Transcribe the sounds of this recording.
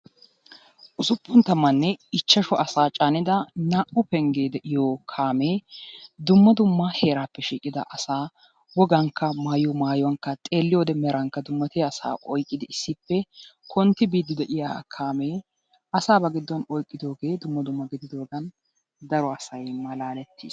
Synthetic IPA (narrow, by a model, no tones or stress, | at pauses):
ʔʊsʊpːʊnt̪ɐmːɐnːɛɪt͡ʃːɐʃɔʔɐsaːt͡ʃʼaːnɪd̪ɐnaːʔʊpɛŋɡeːd̪ɛʔɪjoːkʰaːmeːd̪ʊmːɐd̪ʊmːɐhe̞ːɾaːpːɛʃiːkʼɪd̪ɐ̰ʔɐsaː | wɔɡɐŋkːɐmaːjɔmaːjɔwɐŋkːɐt̪ʼe̞ːlːɪjoːd̪ɛmɛɾɐŋkːɐd̪ʊmːɐt̪ɪjɐːsa̰ːʔɔjkʼːɪd̪ɪɪsːɪpːɛkʰɔnt̪ːɪbiːd̪ːɪd̪ɛʔɪja̰ːkʰaːmeː | ʔɐsaːbɐɡɪd̪ːɔnɔjkʼːɪd̪o̞ːɡe̞ːd̪ʊmːɐd̪ʊmːɐɡɪd̪ɪd̪oːɡɐn | d̪ɐɾɔɐsɐjmɐlaːnɛt̪ːḭːs